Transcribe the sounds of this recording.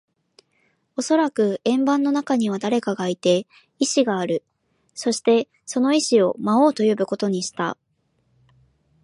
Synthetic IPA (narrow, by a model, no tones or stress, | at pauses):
o̞so̞ɾakɯ̟ẽ̞mbãnːo̞nakaɲ̟iβ̞ad̪aɾe̞kaɡait̪e̞ | iɕiɡaːɾɯ̟ | so̞ɕi̥t̪e̞ | so̞no̞iɕio̞mao̞ːt̪o̞jobɯ̟ko̞t̪o̞ɲ̟iɕi̥t̪a̰